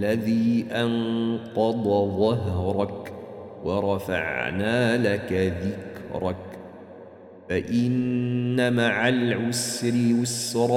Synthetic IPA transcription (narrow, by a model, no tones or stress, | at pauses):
lːaðiːʔɑnqɑd̪ˤɑðˤɑɦɾˤɑkwɑɾˤɑfa̰ʕnaːlakaðɪkɾˤɑk | faʔɪnːamaʕalʕʊsɾɪwasɾˤ